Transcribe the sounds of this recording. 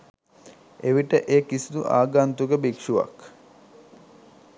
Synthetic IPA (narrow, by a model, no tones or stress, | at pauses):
eʋiʈəʔeːkisud̪uʔa̰ːɡant̪uɡəbikʂuʋa̰k